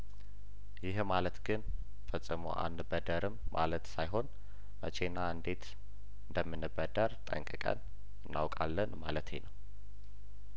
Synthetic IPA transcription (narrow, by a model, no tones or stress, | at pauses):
jɪhmalət̪ɡɨn | fəsʼːɨmo̰ʔa̰nbəd̪əɾɨmːʔa̰lət̪sajɦo̞n | mət͡ʃʰe̞nːaɨnd̪e̞t̪ | ɨnd̪əmːɨnːɨbəd̪əɾt̪ʼə̰ŋkʼɨkʼə̰n | ɨnːa̰wkʼalːənmalət̪hḛnəw